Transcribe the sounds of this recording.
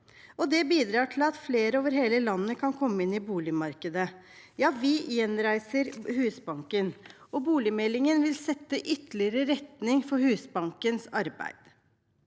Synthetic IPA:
ɔd̪ɛbiːd̪ɾɑːʈʰɪlɑt̪fleːɾəoːʋəɾheːləlɑnːəkʰɑnkʰɔmːəɪnɪbuːlɪmɑɾkəd̪ə | jɑːʋɪɪjɛnɾæɪsəɾhʉːsbɑŋkən | ɔbuːlɪmɛlːɪŋənʋɪlsɛt̪ːəʔʏt̪lɪəɾəɾɛt̪nɪŋfɔɾhʉːsbɑŋkənsɑɾbæ̰ɪd̪̥

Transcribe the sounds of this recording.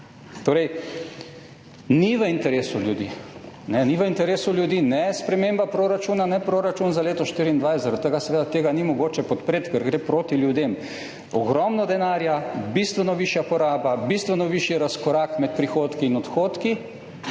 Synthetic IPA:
t̪oːɾɛj | niʋəint̪ɛɾeːsuljud̪ḭ | nɛniʋəint̪ɛɾeːsuljud̪iːnɛspɾɛmembapɾoːɾat͡ʃuːnanɛpɾoːɾat͡ʃuːnzaleːt̪ɔʃt̪iɾiːnd̪ʋajszaɾat̪ːəɡasɛʋeːd̪at̪eːɡanimɔɡoːt͡ʃɛpɔt̪pɾeːt̪kɛɾɡɾeːpɾoːt̪iljud̪em | ɔ̰ɡɾɔmnɔd̪ɛnaːɾjabist̪ʋənɔʋiʃjapɔɾaːbabist̪ʋənɔʋiːʃjiɾaskɔɾaːkmɛt̪̚pɾixoːt̪kiːnɔt̪xoːt̪ki

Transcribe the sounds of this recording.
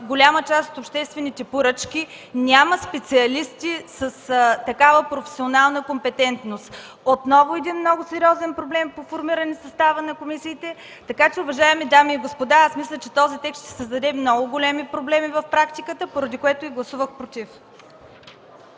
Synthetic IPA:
ɡolʲamət͡ʃast̪ot̪opʃt̪ɛst̪vɛnit̪ɛpoɾɤt͡ʃkʲi | nʲaməspɛt̪siɐlist̪isəst̪ɐkavəpɾofɛ̥sionalˠnəkompɛt̪ɛnt̪nost̪ | ot̪nɔvʊɛd̪inmnɔɡʊsɛɾʲiɔzɛnpɾoblɛmpofoɾmiɾɐnisɐst̪avənɐkomisiːt̪ɛ | t̪ɐkat͡ʃɛʊvɐʒaɛmid̪amiːɡospod̪aasmislʲət͡ʃɛt̪ɔzit̪ɛkst̪ʃt̪ɛ̥səzd̪ɐd̪ɛmnɔɡʊɡolʲɛmipɾoblɛmivɐfpɾakt̪ikət̪əpoɾɐd̪ikoɛt̪ʊiɡlˠɐsuvəxpɾot̪if

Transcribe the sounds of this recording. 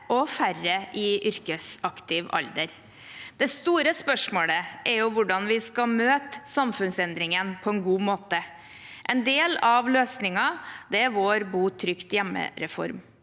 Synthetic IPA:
ʔɔfærəʔɪʔʏɾkəsɑkt̪ɪʋɑ̰ld̪əɾ | d̪̥ɛst̪uːɾəspœʂmoːləʔɛɾjʊʋʊɖɑnʋɪskɑmøːt̪əsɑmfʉnsɛnd̪ɾɪŋənpʰɔɛnɡuːmoːt̪ə | ʔɛnd̪eːlɑʋløːsnɪŋɑd̪ɛʋoːɾbuːt̪ʰɾʏkt̪jɛmːə̰ɾɛfɔ̰ɾm

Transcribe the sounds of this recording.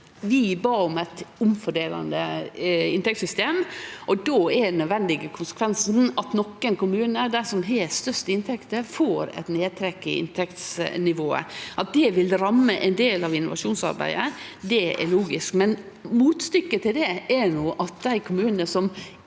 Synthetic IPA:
ʋɪbɑːɔmæɪt̪ʊmfɔɖeːlɑ̰nd̪əɪnt̪ɛkt̪sʏst̪eːmʔɔd̪oːɛnœd̪ʋɛnd̪ɪɡəkʰʊnsə̥kʰʋɛnsn̩ɑt̪nɔkːənkʊmʉːnəd̪æsɔmɦɛːst̪œʂt̪əɪnt̪ʰɛkt̪əɾfoːɾɛ̰ɪt̪neːd̪̚t̪ʰɾɛkːə̰ɪ̰nt̪ʰɛkt̪snɪʋoːə̰ʔɑt̪̚d̪ɛʋɪlɾɑmːəʔɛnd̪eːlɑʋɪnːʊʋɑ̰ʂuːnsɑ̰ɾbæ̰ɪd̪əd̪ɛɛ̰ɾɭuːɡɪskmɛn | muːt̪st̪ʏkːət̪ɪld̪ɛænuːʔɑt̪̚d̪æɪkʰʊmʉːnənəsɔm

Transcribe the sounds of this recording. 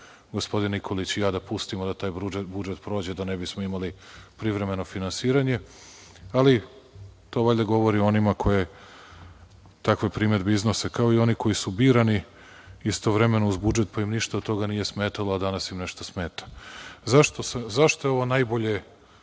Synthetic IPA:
ɡo̞spo̞d̪inikʰo̞lit͡ɕjaːd̪apust̪imod̪at̪aːjbɾuebud͡ʒet̪pɾo̞ːd͡ʑed̪anebismo̞imalipɾivɾe̞me̞no̞finansiːɾaɲe̞ | ali | t̪o̞ʋaʎʲeɡo̞ʋoɾio̞nimakʰo̞je̞ | t̪akʋe̞pɾiːme̞d̪beiznosekao̞io̞niko̞jisubiːɾani | ist̪o̞ʋɾe̞me̞nouzbud͡ʒet̪paimniʃt̪aot̪ːo̞ɡanije̞smeːt̪aload̪anasimneʃt̪osmeːt̪ḁzaʃt̪o̞semzaʃt̪oeo̞ʋo̞najboʎe̞

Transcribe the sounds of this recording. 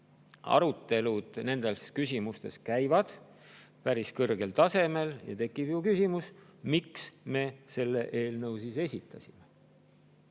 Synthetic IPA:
ɑ̰ɾut̪ːe̞lud̪̥ne̞nd̪̥e̞skysʲimust̪e̞skæjvɑd̪̥ | pæɾiskɤrɡ̥e̞lt̪ɑse̞me̞ljɑ̰t̪e̞kːˑib̥jukysimusmiksme̞se̞lːe̞ʔe̞ːlnɤwsise̞sʲit̪ːˑɑsʲime

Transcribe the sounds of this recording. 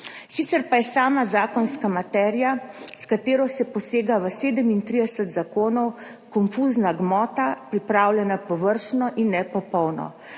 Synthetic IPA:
sit̪sɛɾpajɛsaːmazaːkɔnskamat̪ɛːɾijaskat̪eːɾɔsɛpɔseːɡaʋəseːd̪əmint̪ɾid̪ɛsət̪zakoːnɔw | kɔnfuznaɡmɔːt̪apɾipɾaːwljɛnapɔʋəɾʃnɔʔinːɛpɔpɔwnɔ̰

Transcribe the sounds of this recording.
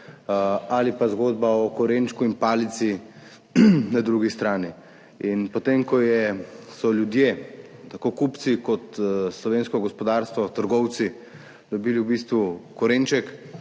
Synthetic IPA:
alipazɡoːd̪baɔkɔɾent͡ʃkuinpaːlit̪si | nad̪ɾuɡist̪ɾaːni | inpɔt̪emkɔjɛsɔljud̪jet̪akokupt̪sikɔt̪slɔʋeːnskɔɡɔspɔd̪aːɾst̪ʋɔt̪əɾɡɔwt̪si | d̪ɔbiːliwbiːst̪ʋukɔɾent͡ʃɛk

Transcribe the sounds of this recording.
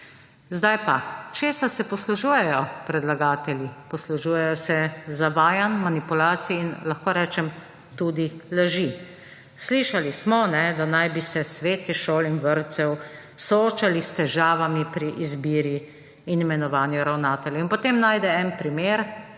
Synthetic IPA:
zd̪ajpat͡ʃeːsasɛpɔsluʒuːjɛjɔpɾɛd̪laɡaːt̪ɛljipɔsluʒuːjɛjɔsɛzaʋaːjanmanipulaːt̪siiːnlaxkoːɾɛːt͡ʃɛm | t̪ud̪ilaʒi | sliʃalismɔnɛd̪anajbisɛsʋeːt̪iʃoːlinʋəɾt̪sɛw | sooːt͡ʃalist̪ɛʒaːʋamipɾiʔizbiːɾi | inimɛnɔʋaːnjuɾawnaːt̪ɛljɛinpɔt̪eːmnaːjd̪ɛɛnpɾimeːɾ

